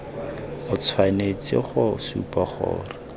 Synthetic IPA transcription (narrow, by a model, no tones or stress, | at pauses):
ʊt͡sʰwanet͡sɪ̰χʊsṵpʼaχʊ̰ːrɪ